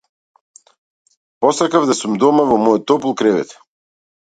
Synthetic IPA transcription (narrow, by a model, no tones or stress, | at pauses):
pɔsakavd̪asumd̪ɔmavɔmɔjɔt̪ːɔpulˠkɾɛvɛ̰t̪